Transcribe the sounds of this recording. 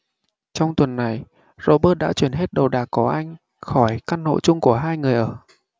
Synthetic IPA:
t͡ɕɔ˧wŋ͡mt̪wə˨˩nːa˨˩j | zo̰˧ɓəː˦˥t̚ɗa̰ː˧˥t͡ɕwi˧˩ənɦe˦˥t̚ɗə˨˩wɗaː˨˩kku˧˩əʔa˧jŋ̟ | xɔ˧˩jka˧nno̰˧˨t͡ɕʊ˧ŋ͡mku˧˩əɦaː˧jŋɨ˨˩əjʔəː˧˩

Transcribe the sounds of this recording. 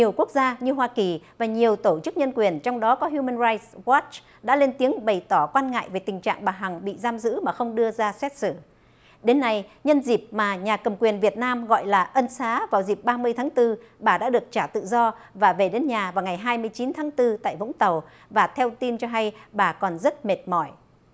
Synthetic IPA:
ɲi˨˩əwku˦˥ək̚zaː˧ɲɨ˧ɦwaː˧ki˨˩vaː˨˩ɲi˨˩əwt̪o˧˩t͡ɕɨ˦˥k̚ɲə˧nkwi˨˩ənt͡ɕɔ˧wŋ͡mɗɔ˨˦kɔ˨˦ɦju˧mə˧nza˧jt̚swɔ˦˥t͡ɕ | ɗa̰ː˧˥le˧nt̪i˨˦əŋɓə˨˩jt̪ɔ˧˩kwaː˧nŋa̰ː˧˨jve˨˩t̪ï˨˩ŋt͡ɕa̰ː˧˨ŋɓaː˨˩ɦa˨˩ŋɓḭ˧˨zaː˧mzɨ̰˧˥maː˨˩xə˧wŋ͡mɗɨ˧əzaː˧sɛ˦˥t̚sɨ˧˩ | ɗe˨˦nːa˧jɲə˧nzi˨˩p̚maː˨˩ɲaː˨˩kə˨˩mkwi˨˩ənvi˨˩ət̚naː˧mɣɔ̰˧˨jlaː˨˩ʔə˧nsaː˨˦vaː˨˩wzi˨˩p̚ɓaː˧mɨ˧əjt̪ʰaː˨˦ŋt̪ɨ˧ | ɓaː˨˩ɗa̰ː˧˥ɗɨ˨˩ək̚t͡ɕaː˧˩t̪ɨ̰˧˨zɔ˧vaː˨˩ve˨˩ɗe˨˦nɲaː˨˩vaː˨˩wŋa˨˩jɦaː˧jmɨ˧əjt͡ɕi˨˦nt̪ʰaː˨˦ŋt̪ɨ˧t̪a̰ː˧˨jvʊ̰˧˥ŋ͡mt̪ə˨˩w | vaː˨˩t̪ʰɛ˧wt̪i˧nt͡ɕɔ˧ɦa˧jɓaː˨˩kɔ˨˩nzə˦˥t̚me˨˩t̚mɔ˧˩j

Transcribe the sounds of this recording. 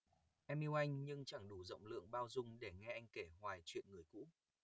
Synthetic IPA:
ʔɛ˧mʔi˧wʔa˧jŋ̟ɲɨ˧ŋt͡ɕa˧˩ŋɗu˧˩zə̰˧˨wŋ͡mlɨ̰˧˨əŋɓaː˧wzʊ˧ŋ͡mɗe˧˩ŋɛ˧ʔa˧jŋ̟ke˧˩hwaː˨˩jt͡ɕwḭ˧˨ənŋɨ˨˩əjkṵ˧˥

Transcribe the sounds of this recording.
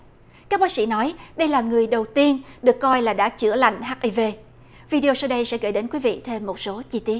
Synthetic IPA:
kaː˦˥k̚ɓaː˨˦˥ksḭ˧˥nɔ˨˦jɗə˧jlaː˨˩ŋɨ˨˩əjɗə˨˩wt̪i˧ənɗɨ˨˩əkːɔ˧jlaː˨˩ɗa̰ː˧˥t͡ɕɨ̰˧˩əla̰˧˨jŋ̟ɦaː˦˥ʔi˧ve˧ | vi˧ɗi˧o˧sa˧wɗə˧jsɛ̰˧˥ɣə̰˧˩jɗe˨˦nkwi˨˦vḭ˧˨t̪ʰe˧mːo˨˩t̚so˨˦t͡ɕi˧t̪i˦˥ət̚

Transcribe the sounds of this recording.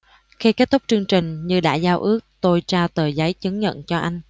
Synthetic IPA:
xi˧kaː˦˥k̚t̪ə˦˥k͡p̚t͡ɕɨ˧əŋt͡ɕï˨˩ŋ̟ɲɨ˧ɗa̰ː˧˥zaː˧wʔɨ˦˥ək̚t̪o˧jt͡ɕaː˧wt̪əː˨˩za˨˦jt͡ɕɨ˨˦ŋɲə̰˧˨nt͡ɕɔ˧ʔa˧jŋ̟

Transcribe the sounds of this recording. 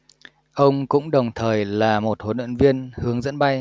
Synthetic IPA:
ʔə˧wŋ͡mkʊ̰˧˥ŋ͡mɗə˨˩wŋ͡mt̪ʰəː˨˩jlaː˨˩mo˨˩t̚ho˨˦nwḭ˧˨nvi˧ənhɨ˨˦əŋzə̰˧˥nɓa˧j

